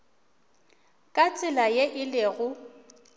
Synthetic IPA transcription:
kʼat͡sʼɪlajeʔɪleɣʊ

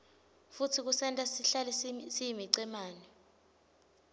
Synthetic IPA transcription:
futʰik̬usɛntʼasiɬalɛsijimiǀɛmaːnɛ

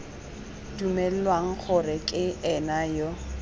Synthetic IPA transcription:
dumɛl̩lwaŋ̩k͡xʰʊrɪkʼɪɛnajo

